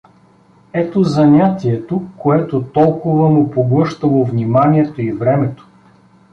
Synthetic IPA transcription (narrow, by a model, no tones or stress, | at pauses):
ɛt̪ozɐnʲat̪iɛt̪okːoɛt̪ot̪ɔlˠkʊvəmʊpoɡlˠɤʃt̪əlˠovnimaniɛt̪oivɾɛmɛt̪o̥